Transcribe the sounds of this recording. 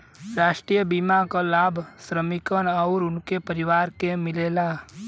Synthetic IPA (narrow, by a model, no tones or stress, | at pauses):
ɾaːʃʈɾijəbimakalaːbʱsɾəmɪkənɔʊɾʊnkepəɾɪʋaːɾkemɪleːla